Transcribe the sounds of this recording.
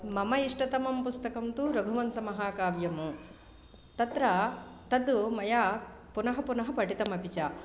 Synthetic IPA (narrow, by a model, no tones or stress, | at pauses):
mɐmɐiʂʈɐt̪ɐmɐmpust̪ɐkɐmt̪uɾɐɡʱuʋɐnsɐmɐɦaːkaːbjɐmu | t̪ɐt̪ɾɐt̪ɐd̪umɐjaː | punɐɦɐpunɐɦɐpɐʈit̪ɐmɐpit͡ʃa